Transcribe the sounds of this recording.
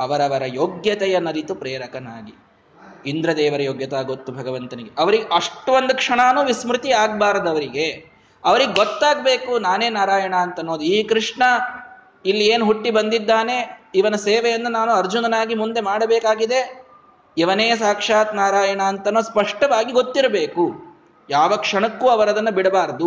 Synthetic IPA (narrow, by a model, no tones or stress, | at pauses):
ɐʋɐɾɐʋɐɾɐjoːɡjɐt̪ɛjɐnɐɾit̪upɾeːɾɐkɐnaːɡi | ind̪ɾɐd̪ɛːʋɐɾɐjoːɡjɐt̪aːɡot̪ːubʱɐɡɐʋɐnt̪ɐniɡeʔɐʋɐɾiɡeʔɐʂʈʋond̪ukʂɐɳaːnuːʋismɾɪt̪iaːɡbaːɾd̪ɐʋɐɾiɡe | ɐʋɐɾiɡeɡot̪ːaːɡbeːkunaːne̞ːnaːɾaːjɐɳɐːnt̪ɐnːo̞ːd̪uiːkɾiʂɳɐ | ilːieːnɦuʈːibɐnd̪id̪ːaːne̞iʋɐnɐseːʋɛjɐnːɐnaːnuɐɾd͡ʒunɐnaːɡimund̪e̞maːɽɐbɛːkaːɡid̪e̞ | ɛʋɐneːsaːkʂaːt̪naːɾaːjɐɳaːnt̪ɐnːoːspɐʂʈɐʋaːɡiɡo̞t̪ːiɾɐbeːku | jaːʋɐkʂɐɳɐkːuːɐʋɐɾɐd̪ɐnːɐbiɽɐbaːɾɐd̪u